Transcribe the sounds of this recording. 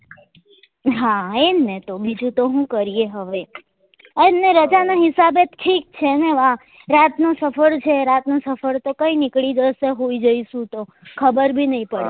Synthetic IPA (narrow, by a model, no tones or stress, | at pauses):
ɦaemnet̪obid͡ʒũt̪oɦũkəɾijeɦəʋe | emneɾəd͡ʒanaɦɪsabet̪ʈʰik̚t͡ʃʰeneʋã | ɾat̪nosəfəɽt͡ʃʰeɾat̪nosəfəɾt̪okəinɪkɭid͡ʒəseɦoid͡ʒəiʃũt̪o | kʰəbəɾbʱinəĩpəɽe